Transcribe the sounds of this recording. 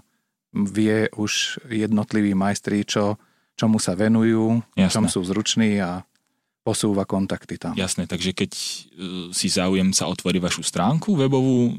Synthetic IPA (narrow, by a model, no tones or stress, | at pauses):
ʋɪɛʔuʒjɛd̪nɔt̪liʋiːmajst̪ɾit͡ʃɔ | t͡ʃɔmusaʋɛnujuːjast͡ʃɔmsuːzɾut͡ʃniːa | pɔsuːʋakɔnt̪akt̪it̪amjasnɛt̪aɡʒɛkɛc | sizaːujɛmsaɔt̪ʋɔɾiʋaʃust̪ɾaːŋkuʋɛbɔʋuː